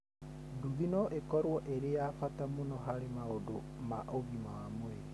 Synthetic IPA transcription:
duðinɔʔekɔɾwɔʔeɾejafatamonɔɦaɾemaodo | maʔoɣimawamoe

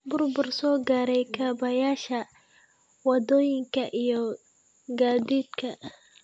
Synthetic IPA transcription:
bʊrbʊrsɔːɡaːɾɛjkʰaːbɐjaːʃɐ | wɑd̪ɔːjɪŋkʰɐʔijɔ | ɡaːðiːd̪kʰɐ

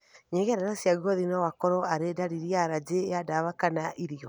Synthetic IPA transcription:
ɲeɣɛɾanasjaɣuɔðinɔwakɔɾɔaɾedaɾiɾiaɾad͡ʑeadaβakanaʔiɾiɔ

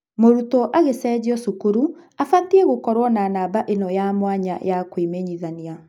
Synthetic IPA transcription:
moɾutɔʔaɣesɛːd͡ʑiɔsukuɾuafatiɛɣokɔɾwɔnanaːbaʔenɔjamwaɲa̰jakwimeɲiðania

